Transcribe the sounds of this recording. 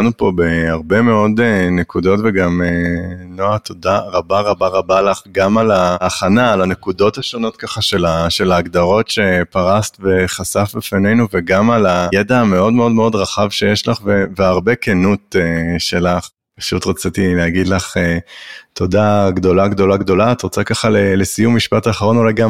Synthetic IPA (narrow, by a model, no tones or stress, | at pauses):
anupo̞be̞aʁbe̞me̞o̞d̪enekud̪o̞tveɡamenoat̪odaʁabaʁabaʁabalaχɡamalaːχanaːlane̞kudo̞t̪aʃono̞t̪̚kaχaʃe̞laʃe̞laːɡd̪aʁo̞tʃe̞paʁast̪veχasafbefane̞jnuveɡamalajed̪ame̞o̞dmeo̞dmeo̞d̪ʁaχavʃe̞jeʃlaχveveaʁbekenuteʃe̞laχ | pḁʃut̪ʁat͡sit̪ileaɡid̪laχet̪ʰo̞d̪aɡdo̞laɡd̪o̞laɡd̪o̞laːt̪ʁat͡sakaχalelesijumːiʃpataːχaʁo̞nolajɡam